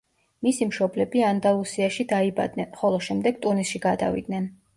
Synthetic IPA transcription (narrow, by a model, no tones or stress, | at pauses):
misimʃɔblɛbiand̪alˠusiaʃid̪aiba̰d̪̚nɛnχɔlˠɔʃɛmd̪ɛɡt̪ʼunisʃiɡad̪a̰vḭd̪̚nɛn